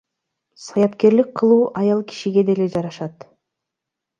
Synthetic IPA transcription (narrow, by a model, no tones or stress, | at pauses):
sɑjɑp̪ke̞ɾlik̚qʰːɯlˠuːʔɑjɑlˠkʰi̥ʃiɡʲe̞d̪ele̞d͡ʒɑɾɑʃɑt̪